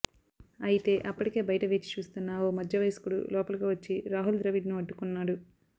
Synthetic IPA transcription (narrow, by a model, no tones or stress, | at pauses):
ɐjit̪e̞ːʔɐpːɐʈike̞ːbɐjɐʈɐʋeːt͡ʃi̥t͡ʃuːst̪unːɐoːmɐd̪jɐʋɐjsɐ̥kuɽṵlɔːpɐlɐɡoːʋɐt͡ʃːiɾaːɦuld̪ɾɐʋiɖnuɐɖːukunːaːɽu